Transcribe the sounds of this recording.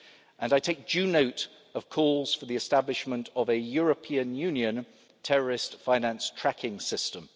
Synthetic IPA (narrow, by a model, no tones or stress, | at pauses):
ʔə̃naɪtʰeɪk̚d̥ʒ̥ʉːnəʊt | əv̥kʰɔːlˠz̥fəðiɨstablɪʃmə̃ntəvəjɔɹəpʰĩə̃njʉ̃njə̃n | tʰɛɹəɹɪstfãɪ̃næ̃nstʰɹ̥akʰɪ̃ŋsɪstə̃m